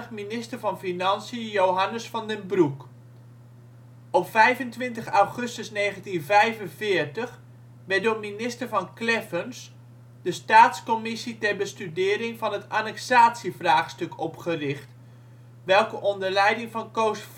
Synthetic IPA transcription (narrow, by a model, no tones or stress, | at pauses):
əχminɪstəɹvɑnfinɑnsiəjowɦɑnəsfɑndənbruk | ɔpfɛjvəntʋɪntəχawχɵstəsneːχəntinvɛjvənvɪːəɹtəχ | ʋɛt̚dʊːminɪstəɹvɑnklɛfəns | d̥əstaːtskɔmɪsitɛɹbəstydɪːɾɪŋvɑnətanɛksaːtsivraːχstɵkɔpχərɪχt | ʋɛlˠkəʔɔndəɹlɛjdɪŋvɑnkowsf